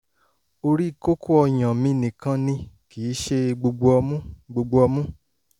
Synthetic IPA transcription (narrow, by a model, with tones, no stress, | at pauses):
o˧ɾi˦˨ko˦kʰo˦ɔ˧j̃ã˨mĩ˧˦˧nĩ˨kã˨˦nĩ˧ki˨˦ʃe˧ɡ͡bo˧ɡ͡bo˧ɔ˧mũ˦ɡ͡bo˧ɡ͡bo˧ɔ˧mũ˦